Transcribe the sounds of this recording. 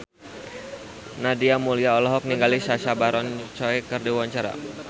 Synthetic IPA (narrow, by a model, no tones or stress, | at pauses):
nadiamuliaɔlɔɦɔk̚niŋɡalisaʃabaɾɔnt͡ʃɔɛkərdiwaɲt͡ʃaɾa̰